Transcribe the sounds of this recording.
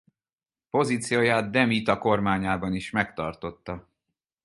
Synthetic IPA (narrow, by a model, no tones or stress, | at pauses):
po̞ziːt̪sijoːjaːt̪̚d̪ɛmit̪ɒko̞rmaːɲaːbɒniʃmɛkt̪ɒrt̪o̞t̪ːɒ